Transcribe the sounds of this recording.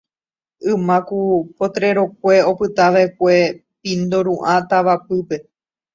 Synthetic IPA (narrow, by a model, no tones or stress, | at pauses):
ɨmãkupot̪ɾe̞ɾo̞k̚ʷe̞o̞pɨt̪aʋaek̚ʷe̞ | pĩnd̪oɾũʔãt̪aʋapɨpe̞